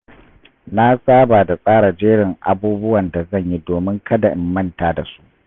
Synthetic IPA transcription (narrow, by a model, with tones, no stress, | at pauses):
na˦sʼaː˦baː˨da˨sʼaː˦ɽa˨d͡ʒeː˦ɽɪ˨ŋʔa̰˨buː˦bʊ˦wɐ˨nda˨zɐ˦˨ɲji˦doː˨mɪ˦ŋkɐ˦da˨ʔɪ˨mːɐ˦˨ntaː˨da˨su̥˦ʔ